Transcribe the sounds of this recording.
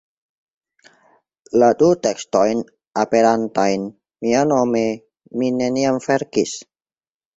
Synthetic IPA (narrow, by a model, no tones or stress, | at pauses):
lad̪ut̪ɛkst̪ɔjn | ʔapɛɾant̪ajn | mianome | minɛniamfɛrkis